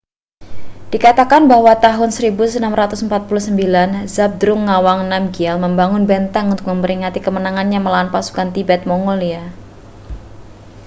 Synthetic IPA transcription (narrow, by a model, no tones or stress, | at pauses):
d̥ikat̪akanbahwat̪aɦʊnsəɾibusənamɾat̪ʊsəmpat̪̚pulusəmbilanzab̚d̪ɾʊŋːawaŋnamɡialməmbaŋʊnbɛnt̪aŋunt̪ʊk̚məmpəɾiŋat̪ikəmənaŋanɲaməlawanpasu̥kant̪ibɛt̪̚moŋɡolia